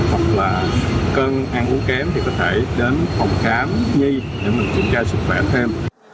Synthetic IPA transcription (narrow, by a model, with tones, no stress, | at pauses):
hwa˨˩k̚laː˨˩kə˧nʔaː˧ŋʔu˨˦əkɛ˨˦mt̪ʰi˨˩kɔ˨˦t̪ʰe˧˩ɗe˨˦nfɔ˨˩wŋ͡mxaː˨˦nɲi˧ | ɲə̰˧˩mi˨˩t͡ɕï˧˩˦nt͡ɕaː˧sɨ˦˥k̚xwɛ˧˩t̪ʰe˧m